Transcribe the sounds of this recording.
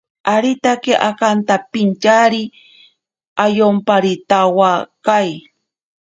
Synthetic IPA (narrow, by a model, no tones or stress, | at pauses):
aɾit̪akiʔakant̪apɪnt͡ʃaɾi | ajompaɾit̪awakaj